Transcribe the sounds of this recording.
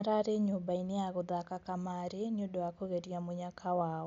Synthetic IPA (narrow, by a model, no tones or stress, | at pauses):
ɾaɾeɲobaineaɣoðakakamaɾeneodowakoɣeɾiamoɲakʰawaːɔ